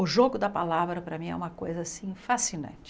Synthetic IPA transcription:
ʊʒoɡʊd̪ɐpalavɾɐpɾɐmĩɛ̰ũmɐkojzɐasĩfasinɐ̰̃nt͡ʃɪ

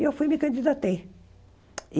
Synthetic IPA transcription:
ewfujmikɐ̃nd̪id̪at̪e | i

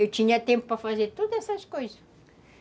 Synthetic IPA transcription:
ewt̪iɲɐt̪ẽmpʊ̥pɾɐfɐzeɾt̪ud̪uɛsɐʃkojzɐʃ

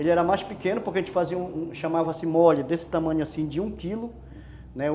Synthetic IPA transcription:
elɪɛɾɐmajspikẽnʊpʊɾkɐʒẽnt͡ʃɪfaziɐũũʃɐmavɐsĩmɔʎɐd̪esɪ̥t̪amɐ̃ɲʊasĩd͡ʒɪũkilʊ | nɛ

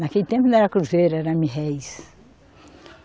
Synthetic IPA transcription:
nakelit̪ẽmp̬ʊñɛɾɐkɾuzeɾɐɛɾɐmiɦɛjs

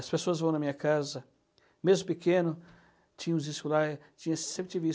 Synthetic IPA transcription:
ɐspesoɐzvɐ̃w̃nɐmĩɲɐkazɐ | mezmʊpikẽnʊ | t͡ʃĩɲɐ̃ũziskulaɾt͡ʃĩɲɐsẽp̬ɾɪt͡ʃivi

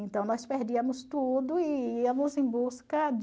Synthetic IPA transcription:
ẽnt̪ɐ̃w̃nɔspeɾd͡ʒiɐmʊst̪ud̪ʊɪiɐmʊzẽj̃buskɐd͡ʒ

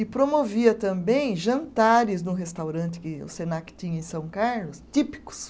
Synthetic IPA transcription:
ɪpɾomoviɐt̪ɐ̃mbẽj̃ʒɐ̃nt̪aɾɪznʊ̃ɦest̪awɾɐ̃nt̪ɪ̥kɪʊ̰senakɪ̥t̪ĩɲɐẽsɐ̃w̃kaɾlʊst̪ipi̥kʊ̥s

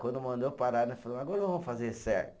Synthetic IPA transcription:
kwɐ̃nd̪ʊmɐ̃nd̪opaɾad̪ɐfalɐ̃aɡɔɾɐ̃võwfazesɛ̰ɾʊ

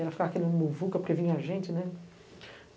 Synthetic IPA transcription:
ɛɾɐfi̥kaɾakinɐmuvukɐpoɾkevĩɲɐaʒẽnt͡ʃɪnɛ

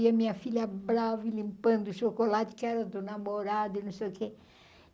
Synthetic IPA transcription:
iɐmĩɲɐfilʲɐbɾavilĩmpɐ̃nd̪ʊʃokolat͡ʃɪ̥kɪɛɾɐd̪ʊnamoɾad̪ʊinɐ̃sejʊke

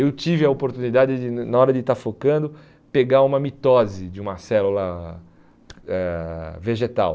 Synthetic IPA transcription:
ewt͡ʃivɪɐopoɾt̪unid̪ad͡ʒɪd͡ʒɪnɐɔɾɐd̪ɪt̪aɾfokɐ̃nd̪ʊ | peɡaɾũmɐmit̪ɔzɪd͡ʒɪũmɐsɛlulɐ | ɛveʒet̪a̰w

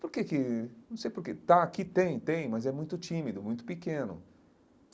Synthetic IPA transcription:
poɾkekɪnɐ̃w̃sejpoɾket̪aakit̪ẽj̃t̪ẽj̃mɐzɛmũj̃t̪ʊt͡ʃĩmid̪ʊmũj̃t̪ʊ̥pikẽnʊ̰

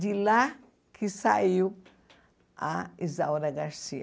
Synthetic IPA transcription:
d͡ʒila | kʰisaju | aizawɾaɡaɾsia

